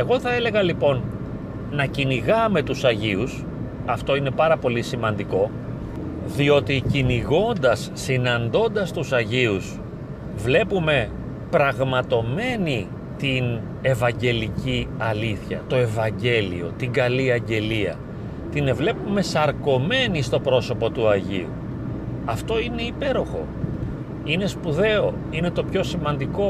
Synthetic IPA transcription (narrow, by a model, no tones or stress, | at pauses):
eɣo̞θɐe̞le̞ɣɐlipo̞nː | ɐciniɣɐme̞t̪usɐʝius | ɐft̪o̞ine̞pɐɾɐpo̞lisimɐnd̪iko̞ | ðio̞t̪iciniɣo̞nd̪ɐsːinɐnd̪o̞nd̪ɐst̪usɐʝius | vle̞pume̞ | pɾɐɣmɐt̪o̞me̞ni | t̪in | e̞vɐɲɟe̞liciɐliθçɐ̰t̪o̞e̞vɐɲɟe̞lḭo̞̰t̪iŋɡɐliɐɲɟe̞liɐ̰ | t̪inevle̞pume̞sɐɾko̞me̞nist̪o̞pɾo̞so̞po̞t̪uɐʝḭṵ | ɐft̪o̞ine̞ipe̞ɾo̞xo̞̰ | ine̞spuðe̞o̞ | ine̞t̪o̞pço̞simɐnd̪iko̞